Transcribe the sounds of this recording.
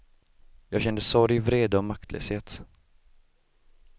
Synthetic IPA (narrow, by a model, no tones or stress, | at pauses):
jɑːɡɕɛnd̪əsɔɾjvɾeːd̪əɔmak̚t̪ʰlʔø̰ːsheːt̪